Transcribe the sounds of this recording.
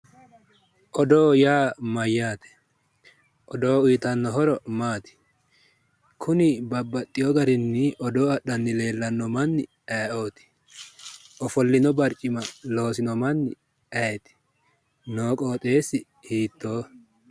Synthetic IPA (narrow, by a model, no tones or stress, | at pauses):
ʔɔd̪oːjaːmɐjːaːt̪ɛ̥ | ʔɔd̪o̞ːʊjːt̪ɐnːɔɦɔɾɔmaːt̪ɪ̥ | kʰʊnɪbɐbːɐt̪ʼːɪjɔɡɐɾɪnːɪʔɔd̪oːɐɗːɐnːɪle̞ːlːɐnːɔmɐnːɪ | ɛːʔoːt̪ɪ̥ | ʔɔfɔlːɪnɔbɐɾt͡ʃʼːɪmɐlo̞ːsɪnɔmɐnːɪ | ɛjɛt̪ɪ̥ | noːkʼoːt̪ʼeːsːɪ | hiːt̪ːo̞ː